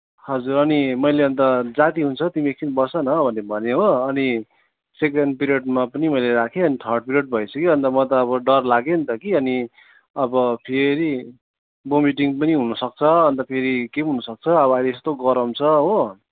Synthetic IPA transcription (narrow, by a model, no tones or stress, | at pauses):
hʌd͡zuɾʌnimʌjleʌnt̪ʌd͡zat̪iɦunt͡sʰʌt̪imiek̚t͡sʰinbʌsʌnʌbʱʌnebʱʌneɦoʌni | sek̬eɳɖ̚piɾijeɖmapʌnimʌjleɾakʰeʌnit̪ʰʌrɖ̚piɾjeɖ̚bʱʌjt͡sʰʌkiʌnt̪ʌmʌt̪ʌːβʌɖʌrlaɡent̪ʌkiʌni | ʌbʌpʰeɾi | bomiʈiŋpʌniɦunʌsʌk̚t͡sʰʌʌnt̪ʌpʰeɾikeɦunʌsʌk̚t͡sʰʌʌβʌaleest̪oɡʌɾʌmt͡sʰʌɦo